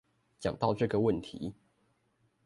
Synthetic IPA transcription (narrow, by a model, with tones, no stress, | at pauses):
t͡ɕjɑ˨˩ŋt̪ɑ˥˧ʊʈ͡ʂɤ˥˨ɡə˨wə˥˨nt̪ʰḭ˨˦